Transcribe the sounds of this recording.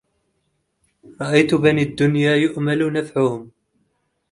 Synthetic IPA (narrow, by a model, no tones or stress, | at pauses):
ɾˤɑʔajt̪ʊbaniːad̪ːʊnjaːjʊʔmalnafʕʊhʊm